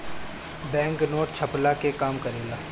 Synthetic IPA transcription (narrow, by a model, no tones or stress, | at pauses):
bɛ̃ːŋknoːʈt͡ʃʰɐplakekaːmkɐɾeːlaː